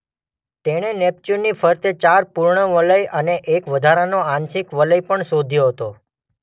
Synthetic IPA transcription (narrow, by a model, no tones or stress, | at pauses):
t̪eɽ̃enep̚t͡ʃuɾnifʰəɾt̪et͡ʃaɾpuɾɳəʋələjəneʔekʋəd̪ʱaɾanoanʃɪkʋələjpəɳsod̪ʱjoɦət̪o